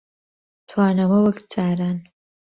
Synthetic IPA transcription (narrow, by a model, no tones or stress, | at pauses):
tʰwaːnamɨwakʼt͡sʼaːɾan